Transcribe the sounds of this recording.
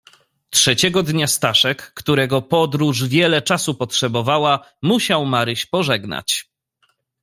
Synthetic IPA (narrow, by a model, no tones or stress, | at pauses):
tʂɛt͡ɕɛɡɔd̪ɲast̪aʂɛkːt̪uɾɛɡɔpɔd̪ɾuʐvʲjɛlɛt͡ʂasupɔtʂɛbɔvawamuɕawmaɾɘɕpɔʐɛɡna̰t͡ɕ